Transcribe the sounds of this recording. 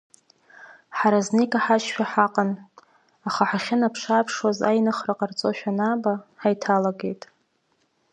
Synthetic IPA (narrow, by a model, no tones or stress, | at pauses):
ħaɾaznejkʼaħaʃʃᶣaħaqʼan | aχaħaχʲɪnapʰʂaːpʰʂwaza̰jnɨχraqʼart͡sʼo̞ʃᶣanabaħajtʰalaɡe̞jtʼ